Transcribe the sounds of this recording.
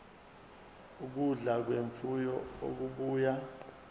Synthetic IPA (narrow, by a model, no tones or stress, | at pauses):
uk̬uɮak̬weɱfujɔo̰k̬uɓuːja